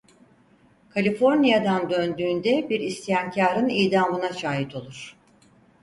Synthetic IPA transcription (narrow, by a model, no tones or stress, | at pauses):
kʰalʲifo̞ɾnijad̪and̪ønd̪yːnd̪ɛbiɾist̪ʰijaŋcʰaːɾɯnijd̪aːmɯnaʃaːɦit̪ʰo̞lˠuɾ̥